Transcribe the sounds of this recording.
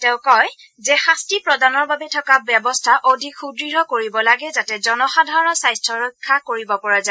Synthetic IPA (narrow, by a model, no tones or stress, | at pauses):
tɛ̃ʊ̃kɔj | zɛxastipɹɔdanɔɹbabɛtʰɔkabɛbɔstʰaʔodʱikxudɹiɹɔkoɹibɔlaɡɛzatɛzɔnɔxadʱaɹɔsajstʰɹɔɹɔjkʰːakoɹibɔpɔɹaza